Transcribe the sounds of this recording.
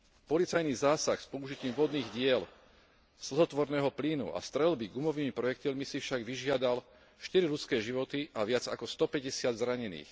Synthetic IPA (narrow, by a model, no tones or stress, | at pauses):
pɔlit͡sajnizaːsaxspɔuʒiciːmʋɔd̪niːɣɟɪɛl | sl̩ɦɔt̪ʋɔɾnɛːɦɔpliːnṵa̰st̪ɾɛlbiɡumɔʋiːmipɾɔjɛkt̪ɔmisifʃaɡʋiʒɪad̪al | ʃt̪iɾilut͡skɛːʒiʋɔt̪iʔaʋɪad͡zakɔst̪ɔpɛɟɛsɪad̪zɾaɲɛnḭːx